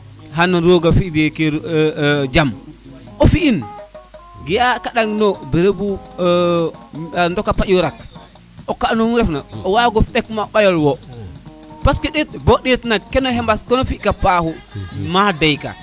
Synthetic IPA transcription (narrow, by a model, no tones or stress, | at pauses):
ɦanaɾoɡafideke | d͡ʒam | ʔɔfiʔin | ɡijakaɗaŋnɔbeɾebu | ndɔkːapaʔwɾak̚ | ɔkaɗnɔɾɛfnaɔwaɡɔfɓɛkmaɓajɔlwɔ | paskɛɗetbɔɗitnakɛnɔɦɛmbaskɔnɔfikapahumadajka̰